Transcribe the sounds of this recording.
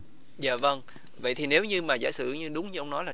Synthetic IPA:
za̰ː˧˨və˧ŋ | və̰˧˨jt̪ʰi˨˩ne˨˦wɲɨ˧maː˨˩za̰ː˧˩jsɨ̰˧˩ɲɨ˧ɗʊ˨˦ŋ͡mɲɨ˧ʔə˧wŋ͡mnɔ˨˦jlaː˨˩

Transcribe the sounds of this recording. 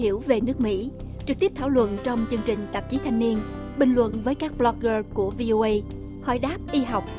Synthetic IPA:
i˧˩əwve˨˩nɨ˦˥ək̚mḭ˧˥t͡ɕɨ˨˩t̪i˦˥əp̚t̪ʰaː˧˩wlwə̰˧˨nt͡ɕɔ˧wŋ͡mt͡ɕɨ˧əŋt͡ɕï˨˩ŋ̟t̪ə˨˩p̚t͡ɕi˨˦t̪ʰa˧jŋ̟ni˧ən | ɓï˨˩ŋlwə̰˧˨nvəː˨˦jkaː˦˥k̚ɓlɔ˦˧k̚ɣəː˧ku˧˩əvi˧ʔo˧ʔə˧j | hɔ̰˧˩jɗaː˦˥p̚ʔi˧ɦa˨˩wk͡p̚

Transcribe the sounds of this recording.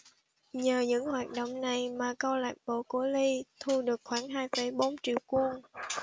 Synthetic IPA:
ɲəː˨˩ɲɨ̰˧˥ŋhwaː˨˩t̚ɗo̰˧˨wŋ͡mna˨˩jmaː˨˩kɔ˧wlaː˨˩k̚ɓo˧˩˦ku˧˩əli˧t̪ʰu˧ɗɨ˨˩ək̚xwaː˧˩ŋɦaː˧jfə˧˦jɓo˨˦mt͡ɕḭ˧˨əwku˧ən

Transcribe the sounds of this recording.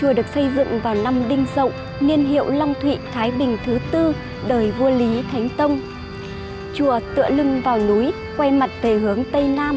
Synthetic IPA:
t͡ɕu˧˩əɗɨ˨˩ək̚sə˧jzɨ̰˧˨ŋvaː˨˩wna˧mɗï˧ŋ̟zə̰˧˨wŋ͡m | ŋi˧ənɦḭ˧˨əwlɔ˧wŋ͡mt̪ʰwḭ˧˨t̪ʰaː˨˦jɓï˨˩ŋ̟t̪ʰɨ˨˦t̪ɨ˧ | ɗəː˨˩jvu˧əli˨˦t̪ʰa˨˦jŋ̟t̪ə˧wŋ͡m | t͡ɕu˧˩ət̪ɨ̰˧˨əlɨ˧ŋvaː˨˩wnu˨˦j | kwɛ˧jma˨˩t̚vʰe˧˩ɦɨ˨˦əŋt̪ə˧jnaː˧m

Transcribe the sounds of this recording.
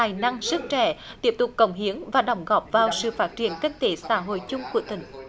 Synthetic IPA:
aː˨˩jna˧ŋzɨ˦˥k̚t͡ɕɛ̰˧˩t̪i˦˥əp̚t̪ʊ˨˩k͡p̚kːə˧˩wŋ͡mɦi˨˦əŋvaː˨˩ɗə˧˩wŋ͡mɣɔ˨˩p̚vaː˨˩wsɨ̰˧˨faː˦˥t̚t͡ɕḭ˧˨ənki˦˥ŋ̟t̪e˨˦saː˧˥ɦo̰˧˨jt͡ɕʊ˧ŋ͡mku˧˩ət̪ï˧˩ŋ̟

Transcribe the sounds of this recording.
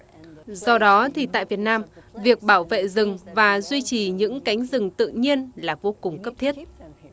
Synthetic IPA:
zɔ˧ɗɔ˨˦t̪ʰi˨˩t̪a̰ː˧˨jvi˨˩ət̚naː˧mvi˨˩ək̚ɓaː˧˩wvḛ˧˨zɨ˨˩ŋvaː˨˩zwi˧t͡ɕi˨˩ɲɨ̰˧˥ŋka˨˦jŋ̟zɨ˨˩ŋt̪ɨ̰˧˨ɲi˧ənlaː˨˩vo˧kʊ˨˩ŋ͡mkə˦˥p̚t̪ʰi˦˥ət̚

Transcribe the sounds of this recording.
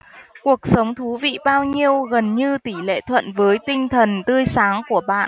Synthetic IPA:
ku˨˩ək̚sə˨˦wŋ͡mt̪ʰu˨˦vḭ˧˨ɓaː˧wɲi˧əwɣə˨˩nɲɨ˧t̪i˧˩lḛ˧˨t̪ʰwə̰˧˨nvəː˨˦jt̪ï˧ŋ̟t̪ʰə˨˩nt̪ɨ˧əjsaː˨˦ŋku˧˩əɓa̰ː˧˨n

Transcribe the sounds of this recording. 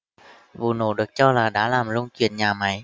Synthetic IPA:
vṵ˨˩no̰˧˩ɗɨ˨˩ək̚t͡ɕɔ˧laː˨˩ɗa̰ː˧˥laː˨˩mlə˧wŋ͡mkḭ˨˧˩ənɲaː˨˩ma˨˦j

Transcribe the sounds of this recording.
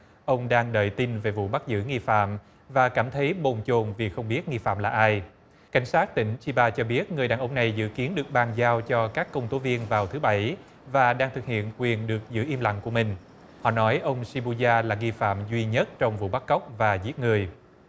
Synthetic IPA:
ʔə˧wŋ͡mɗaː˧ŋɗə̰ː˧˨jt̪i˧nve˨˩vṵ˧˨ɓa˦˥k̚zɨ̰˧˥ŋi˧fa̰ː˧˨m | vaː˨˩kaː˧˩mt̪ʰə˨˦jɓo˨˩nt͡ɕo˨˩nvi˨˩xə˧wŋ͡mɓi˦˥ət̚ŋi˧fa̰ː˧˨mlaː˨˩ʔaː˧j | ka˨˩jŋ̟saː˦˥t̚t̪ï˧˩ŋ̟t͡ɕi˧ɓaː˧t͡ɕɔ˧ɓi˦˥ət̚ŋɨ˨˩əjɗaː˨˩nʔə˧wŋ͡mna˨˩jzɨ̰˧˥ki˨˦ənɗɨ˨˩ək̚ɓaː˨˩ŋzaː˧wt͡ɕɔ˧kaː˦˥kːə˧wŋ͡mt̪o˨˦vi˧ənvaː˨˩wt̪ʰɨ˨˦ɓə˧˩j | vaː˨˩ɗaː˧ŋt̪ʰɨ˨˩k̚hḭ˧˨ənkwi˨˩ənɗɨ˨˩ək̚zɨ̰˧˥ʔi˧mla̰˧˨ŋku˧˩əmï˨˩ŋ̟ | hɔ̰˧˨nɔ˨˦jʔə˧wŋ͡msi˧ɓu˧zaː˧laː˨˩ŋi˧fa̰ː˧˨mzwi˧ɲə˦˥t̚t͡ɕɔ˧wŋ͡mvṵ˧˨ɓa˦˥kkə˦˥wk͡p̚vaː˨˩zi˦˥ət̚ŋɨ˨˩əj

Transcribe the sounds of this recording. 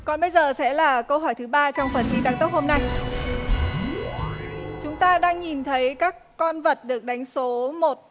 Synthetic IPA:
kɔ˨˩nɓə˧jzəː˨˩sɛ̰˧˥laː˨˩kə˧wɦɔ˧˩jt̪ʰɨ˨˦ɓaː˧t͡ɕɔ˧wŋ͡mfə˨˩nt̪ʰi˧t̪aː˧ŋt̪ə˦˥k͡p̚ho˧mna˧j | t͡ɕʊ˨˦ŋ͡mt̪aː˧ɗaː˧ŋɲi˨˩nt̪ʰə˨˦jkaː˦˥kːɔ˧nvə˨˩t̚ɗɨ˨˩ək̚ɗa˨˦jŋ̟so˨˦mo˨˩t̚

